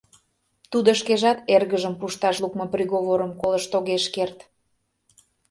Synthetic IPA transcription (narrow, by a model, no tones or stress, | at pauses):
t̪ud̪oʃkeʒɑt̪erɣəʒəmpuʃt̪ɑʃlukmoprʲiɣoβoɾəmkoləʃt̪oɣeʃkert̪